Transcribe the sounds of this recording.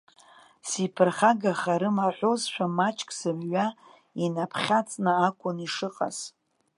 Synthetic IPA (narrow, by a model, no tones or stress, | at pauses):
sipʰɨrχaɡaχaɾɨmaħʷozʃʷᶣamat͡ʃʼkʼsɨmɥa | inapʰχʲat͡sʼnɨakʷʼʊniʂɨqʼa̰z̥